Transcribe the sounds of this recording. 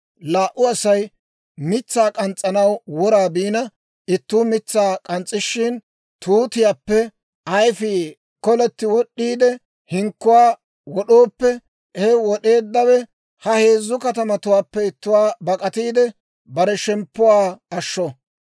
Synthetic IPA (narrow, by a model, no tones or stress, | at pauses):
laːʔʊɐsɐj | mɪt͡sːaːkʼɐnt͡sʼːɐnɐwwɔɾaːbiːnɐ | ɪt̪ːuːmɪt͡sːaːkʼɐnt͡sʼːɪʃːɪn | t̪uːt̪ɪjaːpːɛ | ɐjfiː | kɔlɛt̪ːɪwɔɗːiːd̪ɛ | hɪŋkːʊwaː | wɔɗoːpːɛ | hɛwɔɗe̞ːd̪ːɐwɛ | hɐhe̞ːzːʊkɐt̪ɐmɐt̪ʊwaːpːɛɪt̪ːʊwaːbɐkʼɐt̪iːd̪ɛ | bɐɾɛʃɛmpːʊwaːɐʃːɔ